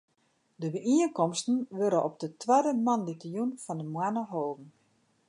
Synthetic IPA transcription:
dəbəʔiənkɔmstn̩ʋøɾəʔɔp̚dətwadəmanditəjunfɔndəmwanəɦoːvn̩

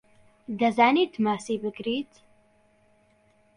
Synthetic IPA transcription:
d̪azanit̪ʰmasibəkɾiːt̪

